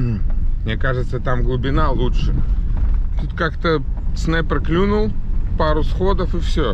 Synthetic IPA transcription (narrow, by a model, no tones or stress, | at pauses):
m̩nʲekaʐɨt̪sət̪amɡlˠʊbʲɪnalˠutʂɨ | t̪ut̪kakt̪əsnɛpɾəklʲunʊlˠpaɾʊsxod̪əfɨfsʲo